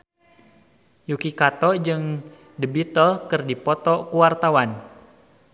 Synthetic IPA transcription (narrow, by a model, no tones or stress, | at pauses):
jukikat̪ɔd͡ʒɨŋ | dəbit̪əlkɨrdipɔt̪ɔkuwart̪awan